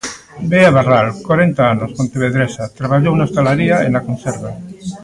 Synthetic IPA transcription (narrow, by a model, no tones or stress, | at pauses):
beaβaralkwaɾent̪aanosmont̪eβeðɾesat̪ɾaβaʎownaest̪alaɾiaḛnakonseɾβa